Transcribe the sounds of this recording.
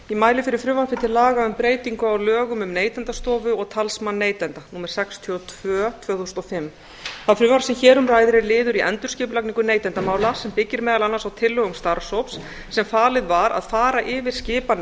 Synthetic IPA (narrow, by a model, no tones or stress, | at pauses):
imaːjlɪfɪɾɪɾ̥fɾʏvaɾfɪt̪ʰɪlːaːɣaʏmpɾeːjt̪iŋkʏawlœːɣʏmʏmneːjt̪ɛnt̪ast̪ɔːvʏɔɣt̪ʰalsmanːeːjt̪ɛnt̪anuːmɛɾ̥sɛkst̪ʰjɔt̪ʰvœːt̪ʰv̥œːθust̪ɔfɪmː | θaðfɾʏvaɾ̥sɛmçɛːɾʏmraːjðɪɾɪlɪːðʏɾiʔɛ̰nt̪ʏɾ̥scɪːpʏlakniŋkʏneːjt̪ɛnt̪amaːwlasɛmpɪcːɪɾmɛːðalanːasawt̪ʰɪlːœɣʏmst̪aɾ̥sowpsː | ɛmfaːlɪðvaɾa̰ðfaːɾaʔɪvɪɾ̥scɪːpan